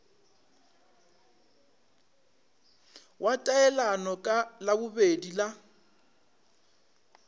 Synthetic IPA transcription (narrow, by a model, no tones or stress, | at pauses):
wʔatʼaɛlanɔkʼalabʊbedila